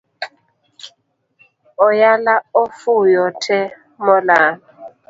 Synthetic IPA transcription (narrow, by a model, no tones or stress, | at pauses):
ɔjalaɔfujɔtʰɛ | mɔlaːn